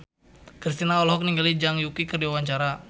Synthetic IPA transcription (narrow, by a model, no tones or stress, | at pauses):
kɾis̬t̪inaɔlɔɦɔk̚niŋɡalid͡ʒaŋjukikərdiwawaɲt͡ʃaɾa